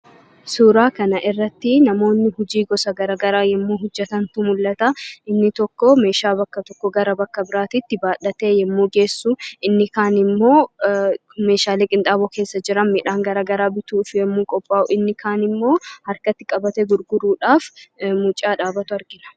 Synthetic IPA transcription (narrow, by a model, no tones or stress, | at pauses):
suːɾaːkɐnɐʔɪrːɐt̪ːɪnɐmo̞ːnːɪhʊd͡ʒiːɡɔsɐɡɐɾaːɡɐɾaːjɛmːuːɦʊd͡ʒːɛt̪ɐnt̪ʊmʊlːɐt̪ɐʔɪnːɪt̪ɔkːɔme̞ːʃaːbɐkːɐt̪ɔkːɔɡɐɾɐbɐkːɐbɪɾaːt̪ɪt̪ːɪbaːᶑɐt̪e̞ːjɛmːuːɡe̞ːsːuʔɪnːɪkaːnɪmːo̞ː | me̞ːʃaːleːkʼɪnt̪ʼaːbɔke̞ːsːɐd͡ʒɪɾɐnmɪᶑaːŋɡɐɾaːɡɐɾaːbɪt̪uːfjɛmːuːkʼɔpʼːaːʊɪnːɪkʰaːnɪmːo̞ːhɐɾkɐt̪ːɪkʼɐbɐt̪ɛɡʊɾɡʊɾuːᶑaːfmʊt͡ʃʼaːᶑaːbɐt̪ʊɐɾɡɪnɐ̥